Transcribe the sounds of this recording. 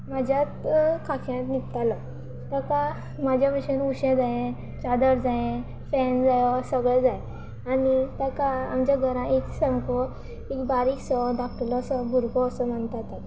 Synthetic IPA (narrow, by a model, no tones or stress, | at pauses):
mad͡ʑʱjat̪kʰakʰjãt̪nipt̪alɔ | t̪əka | mad͡ʑʱjaʋiɕənuɕẽd͡zajẽ | t͡ɕad̪əɾd͡zaẽ | fɛnd͡zajsəɡɭɛd͡zaj | anit̪akaamt͡ɕaɡʱəɾãʔeksə̃mkɔ | ekbaɾiksɔdak̚ʈəlɔsɔbʱuɾkɔːsɔmənt̪at̪a